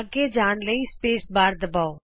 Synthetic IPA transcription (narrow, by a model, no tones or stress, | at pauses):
əɡed͡ʒaːɽləispeːsbaːɾd̪ɐbaːoː